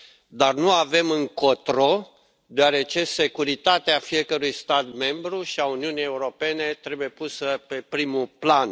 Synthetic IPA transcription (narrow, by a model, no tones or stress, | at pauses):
d̪arnuave̞mɨŋkot̪ɾo | d̪oaɾe̞t͡ʃe̞se̞kuɾit̪at̪eafije̞kəɾujst̪at̪me̞mbɾuʃiauniunije̞uɾo̞pe̞ne̞t̪ɾe̞buje̞pusəpe̞pɾimuplan